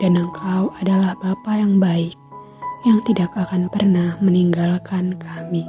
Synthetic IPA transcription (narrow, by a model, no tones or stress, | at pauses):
d̥anəŋkʰawadalahbapajaŋbaɪk̚ | jaŋt̪idakakanpərnahməniŋɡalkankʰami